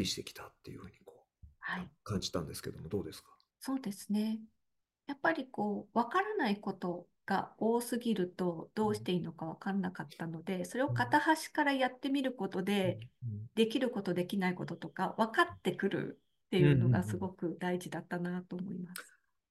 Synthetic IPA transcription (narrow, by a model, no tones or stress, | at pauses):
iɕi̥t̪e̞kʲi̥t̪ḁt̪ːe̞jɯ̟hɯ̟ːɲiko̥ː | haikãɲd͡ʑi̥t̪ã̰nd̪esɨ̥ked̪omod̪o̞ːd̪e̞sɨ̥kḁ | so̞ːd̪e̞sɨ̥ne̞ | japːaɾʲiko̞ːβakaɾanaiko̞t̪o̞ | ɡ̥a̰o̞ːsɨɡʲiɾɯ̟t̪o̞d̪̥o̞ːɕi̥t̪e̞ino̞kaβakaɾanakat̪ːano̞d̪e̞so̞ɾe̞o̞kat̪ahaɕi̥kaɾajat̪ːe̞mʲiɾɯ̟ko̞t̪o̞d̪e̞d̪e̞kʲiɾɯ̟ko̞t̪o̞d̪e̞kʲinaiko̞t̪o̞t̪o̞kaβakat̪ːe̞kɯ̟ɾɯ̰ | t̪ːe̞jɯ̟ːno̞ɡasɨɡo̞kɯ̟d̪aiʑid̪at̪ːanat̪o̞ːmo̞̰imassɨ̥